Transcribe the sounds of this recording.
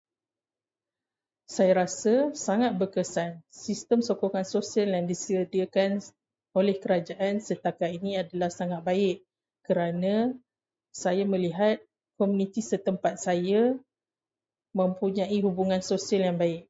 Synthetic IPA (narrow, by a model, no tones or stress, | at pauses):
sajaɾasasaŋat̪̚bərkəsansist̪əmsokoŋansosialjaŋdisiəd̪iəkan | olɛhkəɾad͡ʒaʔansət̪akainĩadalahsaŋat̪̚baɪʔ | kəɾanã | sajamə̃liɦat̪̚ | komunit̪isət̪əmpat̪̚saja | mə̃mpuɲãiɦubuŋansosialjaŋbaɪk̚